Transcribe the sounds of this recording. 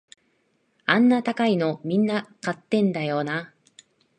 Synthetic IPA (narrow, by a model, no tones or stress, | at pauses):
ãnːat̪akaino̞mʲĩnːakat̪ːẽ̞nd̪ajo̞ːna